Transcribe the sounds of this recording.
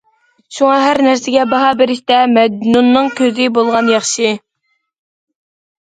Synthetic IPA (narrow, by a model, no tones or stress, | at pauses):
ʃuŋɑɦæɾnæɾsɪɡʲɛbɑɦɑbɪɾɪʃt̪ɛmɛd̪nunːɨŋkʲʰøzɪbolˠʁɑnjɑχʃɨ